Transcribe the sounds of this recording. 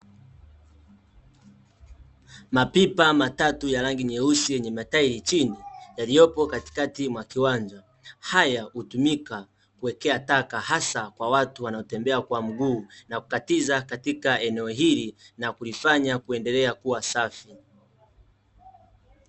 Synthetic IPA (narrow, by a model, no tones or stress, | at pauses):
mapipamatatujaɾaŋɡiɲɛusijɛɲɛmataiɾit͡ʃinijalijɔpɔkati̥katimwakiwaɲd͡ʒa | hajahutumika | kuwɛkɛatakahasakwawatuwanaɔtɛmbɛakwam̩ɡuːnaku̥katizakatikaɛnɛɔɦilinakulifaɲakuɛndɛlɛakuwasafi